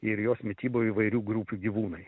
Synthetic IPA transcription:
ɪɾjoːsmʲɪt̪ʲiːboːiːʋɐɪɾʲuːɡɾupʲuːɡʲiʋuːnɐɪ

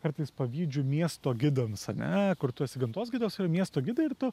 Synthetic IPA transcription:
kɐɾt̪ɨɪspɐʋʲiːd͡ʒʲʊmʲiɛst̪oːɡʲɪd̪ɐmsɐnʲɛ̰kʊɾt̪ʊɛsʲɪɡʲɐnt̪oːsʲɡʲɪd̪oːsɪɾɐmʲiɛst̪oːɡʲɪd̪ɐɪɪɾt̪ʊ

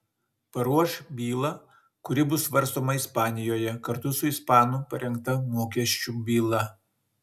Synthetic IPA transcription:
pɐɾuɔʃbʲiːlˠɐ | kʊɾʲɪbʊsʋɐɾˑst̪oːmɐɪspɑːnʲɪjoːjɛkɐɾt̪ʊsʊɪspɑːnʊːpɐɾʲɛŋk̚t̪ɐmoːkʲiɛʃʲt͡ʃʲubʲiːlˠɐ

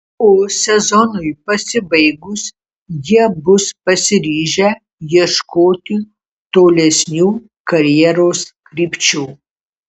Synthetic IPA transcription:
oːsʲɛzɔnʊjpɐsʲɪbɐɪɡʊs | jiɛbʊspɐsʲɪɾʲiːʒʲɛ | jiɛʃkoːt̪ʲɪ | t̪oːlʲɛsʲnʲuː | kɐɾʲjɛɾoːskɾʲiːpʲt͡ʃʲuː

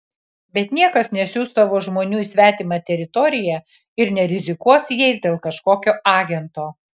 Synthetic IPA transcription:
bʲɛt̪nʲiɛkɐsnʲɛsʲuːst̪ːɑʋoːʒmoːnʲuːisʲʋʲæːt̪ʲɪmɑt̪ʲɛɾʲɪt̪ɔɾʲɪjæ | ɪɾnʲɛɾʲɪzʲɪkuɔsʲjɛɪsd̪ʲeːlˠkɐʃkoːkʲoːʔɑːɡʲɛnt̪oː

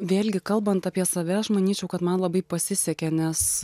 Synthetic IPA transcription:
ʋʲeːlʲɡʲɪkɐlˠbɐnt̪ɑpʲiɛsɐʋʲɛɐʃmɐnʲiːt͡ʃʲɛʊkɐt̪mɐnlˠɐbɐɪpɐsʲɪsʲɛkʲɛnʲɛs

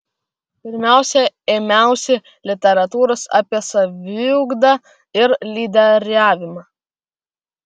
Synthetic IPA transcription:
pʲɪɾʲmʲæˑʊsʲɛeːmʲæˑʊsʲɛ | lʲɪt̪ʲɛɾɐt̪uːɾosɑ̰ːpʲiɛsɐʋʲɪʊɡd̪ɐ | ɪɾlʲiːd̪ʲɛɾʲæːʋʲɪmɑ

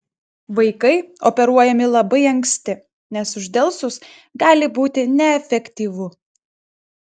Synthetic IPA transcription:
ʋɐɪkɐɪɔpʲɛɾuɔjɛmʲɪlˠɐbɐɪɐŋksʲt̪ʲɪ | nʲɛsʊʒʲd̪ʲɛlˠsʊs | ɡɑːlʲɪbuːt̪ʲɪnʲɛɛfʲɛkʲt̪ʲiːʋʊ

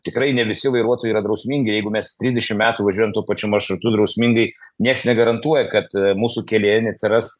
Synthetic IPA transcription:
t̪ʲɪkɾɐɪnʲɛʋʲɪsʲɪʋɐɪɾuɔt̪ojiːɾɐd̪ɾɐʊsʲmʲiːŋʲɡʲɪjɛɪɡʊmʲɛst̪ʲɾʲizd̪ʲɛʃʲɪmmʲæːt̪uːʋɐʒʲuɔjɛmt̪uɔpɐt͡ʃʲʊmɐrʃɾʊt̪ʊd̪ɾɐʊsʲmʲiŋɡɐɪ | nʲiɛksnʲɛɡɐɾɐnt̪uɔjɛkɐt̪muːsukʲɛlʲeːjɛnʲɛɐt̪ʲsʲɪɾɐs

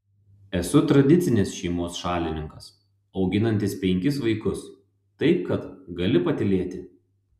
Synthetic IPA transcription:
ɛsʊt̪ɾɐd̪ʲɪt̪sʲɪnʲɪsʃʲɛɪmoːsʃɑːlʲɪnʲɪŋkɐs | ɒʊɡʲɪnɐnʲt̪ʲɪspʲɛŋʲkʲɪsʋɐɪkʊs | t̪ɐɪp̚kɐt̪ɡɐlʲɪpɐt̪ʲɪlʲeːt̪ʲɪ

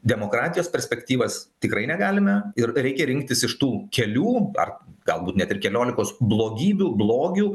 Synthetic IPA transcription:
d̪ʲɛmoːkɾɑːt̪ʲɪjoːspʲɛɾʲsʲpʲɛkt̪ʲiːʋɐst̪ʲɪkɾɐɪnʲɛɡɑːlʲɪmɐɪrɾʲɛɪkʲɛɾʲɪŋk̚t̪ʲɪsɪʃt̪uːkʲɛlʲuːɐ̰rɡɐlˠbuːt̪nʲɛt̪ɪrkʲɛlʲoːlʲɪkoːsblˠoːɡʲiːbʲuːblˠoːɡʲuː

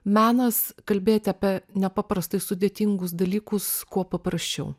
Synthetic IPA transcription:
mʲæːnɐskɐlʲbʲeːjt̪ʲɪɐpʲiɛnʲɛpɑːpɾɐst̪ɐɪsʊd̪ʲeːt̪ʲɪŋɡʊsd̪ɐlʲiːkʊskuɔpɐpɾɐsʲt͡ʃʲɛʊ

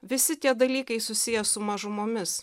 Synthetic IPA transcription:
ʋʲɪsʲɪt̪ʲiɛd̪ɐlʲiːkɐɪsʊsʲɪjɛsʊmɐʒʊmoːmʲɪs

